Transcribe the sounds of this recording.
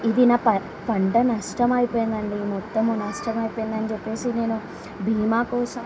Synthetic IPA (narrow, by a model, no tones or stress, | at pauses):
id̪inaːpɐ | pɐɳɖɐnɐʂʈɐmɐjipoːjind̪ɐɳɖimɔt̪ːɐmunɐʂʈɐmɐjpoːjind̪ɐnid͡ʒɛpːe̞ːsine̞ːnu | bʱiːmaːkɔːsɐm